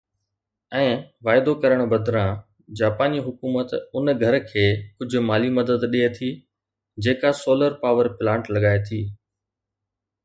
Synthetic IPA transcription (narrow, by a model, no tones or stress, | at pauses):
ɛ̃ːʋaːɪd̪okɐɾəɽ̃ʊbɐd̪ɾã | d͡ʑaːpaːniɦʊkuːmət̪ʊnɡʱɐɾkʰeːkʊd͡ʑʱʊ̆maːlimɐd̪əd̪ɗiɦet̪ʰi | d͡ʑeːkasoːləɾpaːʋəɾplãːɳʈlɐɠaːet̪ʰiː